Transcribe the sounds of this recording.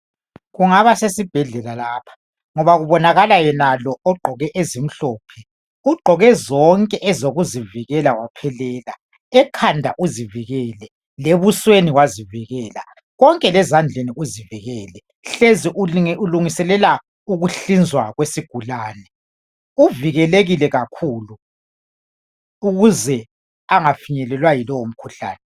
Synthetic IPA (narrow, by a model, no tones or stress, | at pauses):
ɣuŋaβasesib̥ʱɛɮɛlalaːpʰḁ | ŋɔβaɣuβɔnaɣalajɛnalɔɔɡ͡ǃʱɔɣɛʔezim̩ɬɔːpʰɛ | uɡ͡ǃʱɔɣɛzɔŋkʼɛʔɛzoɣuziviɣɛlawapʰɛlɛːla̰ | ɛkʰandʱa̰ʔuziviɣɛːlɛ | leβusweniwaziviɣɛːla̰ | ɣɔŋkʼɛlɛzand͡ɮʱeniuziviɣɛːlɛ | ɬeziʔuuluŋisɛlɛla | uɣuɬind͡zʱwaɣwesiɡ̥ʱulaːnɛ | uviɣɛleɣilɛɣakʰuːlu | uɣuzɛ | aŋafiɲɛlɛlwajilɔwom̩kʰuɬa̰ːnɛ